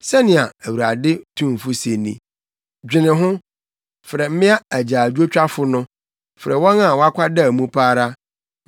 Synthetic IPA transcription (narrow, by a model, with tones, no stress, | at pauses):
sɛ˦nɪ̃˨a˨æ˨wu˨ɾa˨dɪ˦tʰũ˦m˨fʊ˦se˨nḭ̃˦ | d͡ʑᶣɪ˨nɪ̃˨ɦʊ̃˦ | fɾɛ˨m̩˦mɪ̃˦a˦æ˨d͡ʑaː˨d͡ʑu˦o˦t͡ɕᶣa˦fʊ˨nʊ̃˦ | fɪ˨ɾɛ˨wɔ̃˦nã˦˨wɔ˦a˦kʷʰa˦da˦˨mũ˦pʰaː˦ɾa˦